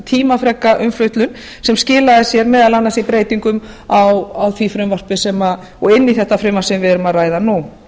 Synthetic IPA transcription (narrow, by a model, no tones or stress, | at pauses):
t̪ʰiːmafɾɛkːaʔʏmflʏɥht̪lʏn | sɛmscɪːlaðɪsjɛɾmɛːðalanːasipɾeːjt̪iŋkʏm | awawθʰvifɾʏmvar̥pɪsɛma | ɔɣɪnːiθɛht̪afɾʏːmasɛmvɛðɾʏmaðraːjðanu